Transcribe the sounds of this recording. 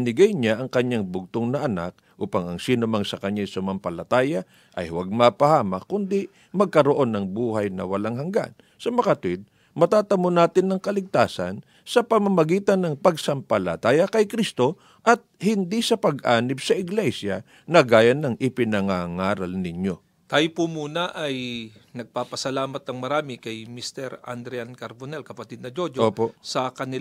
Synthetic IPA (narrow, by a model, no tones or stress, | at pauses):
nɪɡajɲaʔɐŋkɐɲːaŋbʊɡ̚t̪oŋnɐʔɐna̰k̚ʔuːpɐŋɐŋsiːnʊmaŋsɐkɐɲːajsʊmampɐlɐt̪aːjɐ | ʔɐ̰jhwaɡ̚mɐpɐhaːmɐkʊnd̪i | mɐɡ̚kɐɾoʔo̞nːɐŋbuːhɐjnɐ̰wɐlaŋɦɐŋɡa̰n | sɐmɐkɐt̪ʊɪd̪̚ | mɐt̪aːt̪ɐmonaːt̪ɪnːɐŋkɐlɪɡ̚t̪aːsɐ̰n | sɐpɐmamɐɡiːt̪ɐnːɐŋpɐɡsɐmpɐlɐt̪aːjɐkɐjkɾist̪o̞ | ʔɐt̪̚hɪnd̪isɐpɐɡʔaːnɪpsɐʔɪɡlɛjsjɐ̰ | nɐɡaːjɐnɐŋʔɪpɪnɐŋaŋaːɾɐlnɪɲo̞ | t̪aːjpumuːnɐʔɐjnɐɡ̚papɐsɐlaːmɐt̪̚ːɐŋmɐɾaːmɪkɐjmist̪ɛɾɐ̰nd̪ɾɛankɐɾbonɛlkɐpɐt̪id̪nɐd͡ʒod͡ʒoːposɐkɐnɪ